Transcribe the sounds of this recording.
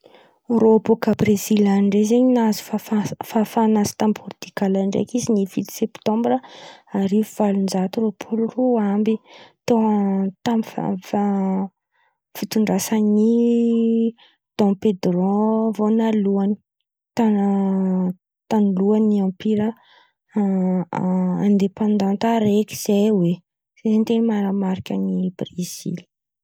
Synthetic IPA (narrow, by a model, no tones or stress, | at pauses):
roapokabrezilaɳɖ͡ʐezeɲinazu̥faffafanasi̥t̪ambvɔrd̪̥ikalaɳɖ͡ʐḛkizinivit̪i̥sɛpt̪ɔ̃mbɾaaɾivuv̥alund͡ʒat̪uɾopʰuluroambit̪ot̪amifa̰fa | fit̪uɳɖ͡ʐasani | d̪̥ɔ̃ped̪rɔ̃vonaluani̥ | t̪a | t̪anuluaniãmpiɾə | ã̰nd̪epãnd̪ɑ̃nt̪aɾekʲi̥z̥ejwe | zezent̪enmaɾamaɾikʲənibriz̥ḭli̥